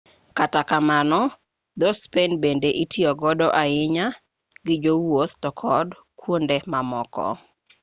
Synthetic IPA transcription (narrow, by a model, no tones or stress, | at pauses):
katakamanɔ | d̪ɔspenbendeʔitʰiɔɡɔdɔʔaɪɲa | ɡɪd͡ʒowot̪tɔkʰɔd | kwondemamɔkɔ̰